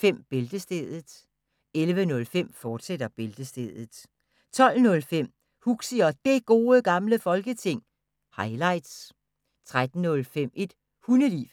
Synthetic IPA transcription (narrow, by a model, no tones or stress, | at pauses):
fem̰b̥e̝ld̥əsd̥eð̩ˠ | elʋənɔ̽lfem̰fɒːd̥sed̥ɐb̥e̝ld̥əsd̥eð̩ˠ | t͡sʰɒ̽l̰nɔ̽lfem̰ | huɡ̥siɒ̽d̥e̝ɡ̥o̝ːəɡ̥ɑ̈mləfɒ̽lɡ̥ət͡sʰe̝ŋ̰ | hɑ̈ɪlɑ̈ɪd̥s | t͡sʰʁad̥n̩nɔ̽lfem̰e̝d̥ | hunəlḭf